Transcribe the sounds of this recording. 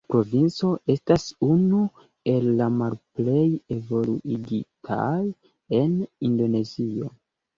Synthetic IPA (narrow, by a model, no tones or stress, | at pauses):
pɾo̞vint͡so̞ʔe̞stasunu | e̞lːamalple̞je̞vo̞luʔiɡitʰa̰j | e̞nindo̞ne̞zio̞̰